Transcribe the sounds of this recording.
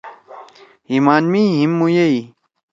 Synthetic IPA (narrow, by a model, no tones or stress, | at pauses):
imaːnmiːɦimːujei